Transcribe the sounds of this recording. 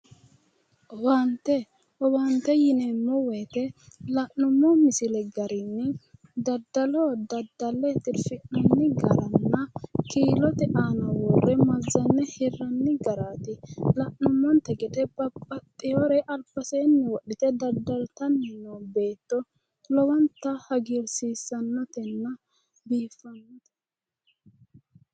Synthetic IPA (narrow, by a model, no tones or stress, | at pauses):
want̪ːɛ | hɔwant̪ːɛjɪnɛmɔwɛt̪ɛlɐʔnːʊmːɔmɪsɪlɛɡɐɾɪnːɛ | d̪ɐd̪ːɐloːd̪ɐd̪ɐlːɛt̪ɪɾfɪnːɐnːɪɡɐɾɐnːɐkiːlɔt̪ɛʔaːnɐwɔrɛmɐzːɐnːɛhɪrːɐnːɪɡɐɾaːt̪ɪlɐʔʊmːɔnt̪ɛɡɛd̪ɛbɐpʼːɐt̪ʼːɪjoɾɛʔɐlpːɐseːnːɛwɔɗːɪt̪ɛd̪ɐd̪ːɐlt̪ɐnːɛnːobe̞ːt̪ːɔ | lɔwɐnt̪ːɐhɐɡiɾsiːsːɐnːɐt̪ɛnːɐ | biːfːɐnːt̪ɛ̥